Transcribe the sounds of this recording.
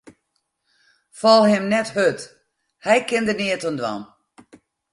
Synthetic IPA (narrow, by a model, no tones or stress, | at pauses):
fɔlˠhɪmnɛthøt | hɛjkɪndənɪətəndwɔ̰n